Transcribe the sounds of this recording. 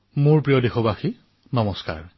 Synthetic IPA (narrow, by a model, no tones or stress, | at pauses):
mʊɹpɹijɔdexɔbaxi | nɔmɔska̰ɹ